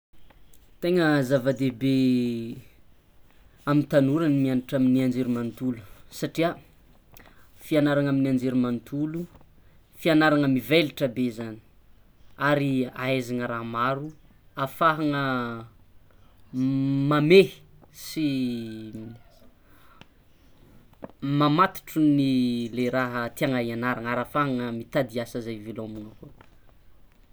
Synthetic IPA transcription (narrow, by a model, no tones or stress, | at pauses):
t̪eŋəzavad̪ebe | amint̪anuɾanimianiʈ͡ʂaminiand͡ʒeɾimant̪ulu̥saʈ͡ʂia | fianaɾaŋaminiand͡ʒeɾumant̪ʰulu | fianaɾaŋəmiveliʈ͡ʂəbezani̥ | aɾiaezaŋəɾamaɾu | afaɦaŋə | mame | si | mamat̪i̥ʈ͡ʂunileɾaɦət̪iaŋaianaɾaŋaɾafaɦaŋəmit̪ad̪iasəzajvelomunəko